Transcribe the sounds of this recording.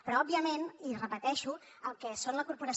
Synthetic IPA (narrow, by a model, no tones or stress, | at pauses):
pɾɔɔbiəmenirəpət̪ɛʃu | əlˠkɛsonləkuɾpuɾəs